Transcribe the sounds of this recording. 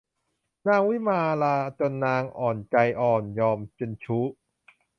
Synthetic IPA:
naː˧ŋwi˦˥˨maː˧laː˧t͡ɕo˧nːaː˧ŋʔɔː˨˩nt͡ɕa˧jʔɔː˨˩njɔː˧mt͡ɕe˧nt͡ɕʰu˦˥

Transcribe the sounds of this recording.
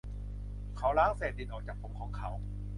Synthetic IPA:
kʰa˦˥wlaː˦˥ŋseː˨˩t̪̚di˨˩nʔɔː˨˩k̚t͡ɕaː˨˩k̚pʰo˧˥mkʰɔː˩˦ŋkʰa˨˦˥w

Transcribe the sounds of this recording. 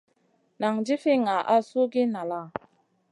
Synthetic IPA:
na˨ŋd͡ʒi˦fi˦ŋa˨ʔa˦su˦ɡi˦na˨la˦˨

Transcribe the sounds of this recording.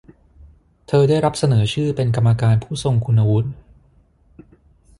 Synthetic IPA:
t̪ʰɤː˧daː˥˩jɾa˦˥p̚sa˧nɤː˩˦t͡ɕʰɯː˥˩pe˧nka˧mːa˧kaː˧npʰuː˥˩so˧ŋkʰu˧nːa˧wu˦˥t̪̚

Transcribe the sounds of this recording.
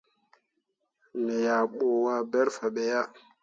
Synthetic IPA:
nɛ˨ja˨ɓo˨wa˦bɛ˦ɾfa˨ɓɛ˨ja˦

